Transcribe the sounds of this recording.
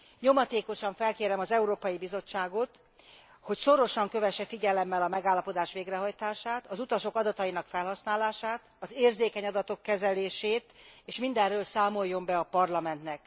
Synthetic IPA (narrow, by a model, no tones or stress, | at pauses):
ɲo̞mɒt̪eːko̞ʃɒɱfɛlkeːɾɛmɒzɛuɾoːpɒjibizo̞t͡ʃːaːɡo̞t̪ | ho̞cso̞ɾo̞ʃɒŋkø̞vɛʃɛfiɟɛlɛmːɛlɒmɛɡaːlːɒpo̞d̪aːʃʋeːɡrɛɦɒjt̪aːʃaːt̪ɒzut̪ɒʃo̞kɒd̪ɒt̪ɒjinɒkfɛlɦɒsnaːlaːʃaːt̪ɒzeːrzeːkɛɲɒd̪ɒt̪o̞kːɛzɛleːʃeːt̪eːʃmind̪ɛrøːlsaːmo̞jːo̞mbɛɒpɒrlɒmɛnt̪nɛk